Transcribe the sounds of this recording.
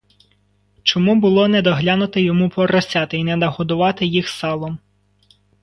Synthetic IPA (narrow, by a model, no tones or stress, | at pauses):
t͡ʃɔmubʊlˠɔnɛd̪ɔɦlʲɑnʊt̪ɪjɔmupɔɾɐsʲɑt̪ɪinɛnɐɦɔd̪ʊʋɑt̪ɪjixsɑlˠɔm